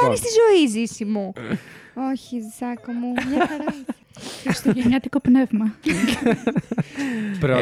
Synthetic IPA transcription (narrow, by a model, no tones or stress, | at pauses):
oɾist̪izo̞izisimu | oçiðsɐkomumɐɐɾ | st̪oʝeɲɐt̪iko̞pnevmɐ | pɾo